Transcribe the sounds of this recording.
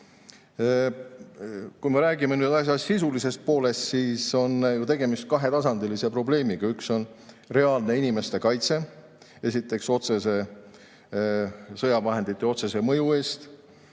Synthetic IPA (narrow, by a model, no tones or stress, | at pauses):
kujme̞ɾæːɡimenyːd̪ɑs̬ʲjɑssisulise̞st̪̚po̞ːle̞st̪siːso̞njut̪e̞ɡe̞mist̪̚kɑɦe̞t̪ɑsɑnd̪elise̞pro̞ble̞ːmiɡ̥ɑykso̞n | re̞ɑːlne̞inime̞st̪e̞kɑjt̪se̞ | e̞sʲit̪ːˑe̞kso̞t̪se̞se̞ | sɤjɑvɑɦe̞nd̪̥it̪ˑːeo̞t̪se̞se̞mɤjue̞ːst̪